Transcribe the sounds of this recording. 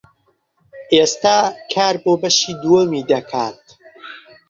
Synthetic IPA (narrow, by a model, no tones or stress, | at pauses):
ʔeːst̪aːkʰaːɾboːbɐʃiːd̪uwɐmiːd̪ɐkʰa̰ːt̪